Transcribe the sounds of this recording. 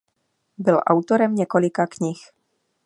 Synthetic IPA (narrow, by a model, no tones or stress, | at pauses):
bɪlʔa̰wt̪o̞ɾɛmɲɛko̞lɪkakɲɪx